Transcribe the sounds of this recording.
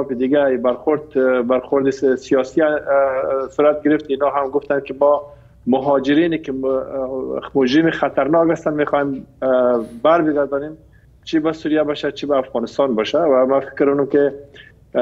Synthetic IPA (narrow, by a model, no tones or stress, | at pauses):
ɔfɪd̪ɪɡaibaɾxʊɾd̪baɾxʊɾd̪ɪsijɔsi | suɾat̪̚ɡɪɾɪft̪inɔɦamɡʊft̪ankɪmɔ | mʊɦɔd͡ʒɪɾinɪkɪ | mʊd͡ʒɾɪmixat̪aɾnɔkast̪anmexɔem | baɾbɪɡaɾd̪ɔnem | t͡ʃibasuɾjabɔʃat͡ʃibaːfɣɔnɪst̪ɔnbɔʃawamafɪ̥kɾʊnʊmkɪ